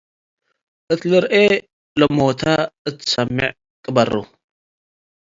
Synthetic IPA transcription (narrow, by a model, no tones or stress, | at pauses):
ʔɨt̪ʰlɨɾʔe | lɐmot̪ʰaɨt̪ʰɨ̥sɐmːɨʕ | kʼɨbɐrṵ